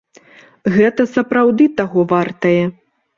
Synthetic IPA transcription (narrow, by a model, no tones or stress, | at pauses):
ɣɛt̪ɐsɐpɾawd̪ɨt̪aɣɔvart̪ɐjɛ